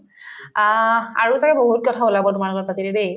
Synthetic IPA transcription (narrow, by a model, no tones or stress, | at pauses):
aɹusakɛboɦut̚kɔtʰaʊlabɔtʊmaɹlɔɡɔɹpatiledej